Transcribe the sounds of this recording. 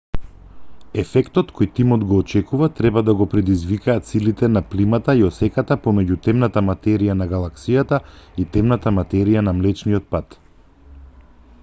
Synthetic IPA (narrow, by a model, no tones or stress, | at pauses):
ɛfɛkt̪ɔt̪kʰojt̪imɔd̪ɡɔːt͡ʃɛkuvat̪ɾɛbad̪aɡɔpɾɛd̪izvikaːt̪silit̪ɛnaplimat̪aiɔsɛkat̪apomɛɟut̪ɛmnat̪amat̪ɛɾijanaɡalˠaksijat̪ait̪ɛmnat̪amat̪ɛɾijanamlɛt͡ʃnijɔt̪̚pat̪